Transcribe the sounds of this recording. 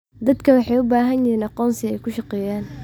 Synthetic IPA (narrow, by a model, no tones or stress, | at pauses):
d̪ɐd̪kʰɐwɑħɑjʊbaːɦɐnjɪiːnɑqɔːnsɪɛjkʰʊʃɑqɛːjaːn